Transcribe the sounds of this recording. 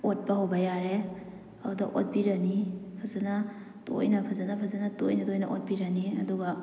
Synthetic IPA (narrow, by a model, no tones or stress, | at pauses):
ot̚paɦowbɐjaɾe | adaʔo̰t̚biɾɐnipʰazana | to̰jnɐpʰɐzanapʰazanato̰jnɐtojnɐ̰ʔot̚biɾɐniɐ̰duɡa